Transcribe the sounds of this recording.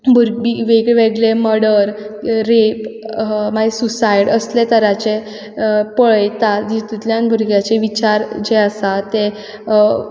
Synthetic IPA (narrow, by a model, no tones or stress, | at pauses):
bʱuɾɡbiʋeɡɭeʋeɡleməɾɽəɾɾepmaɡesusajɽəslet̪əɾat͡ɕe | pəɭjt̪ad͡ʑit̪ut̪ljãnbʱuɾɡjat͡seʋit͡ɕaɾd͡ʑeəsat̪e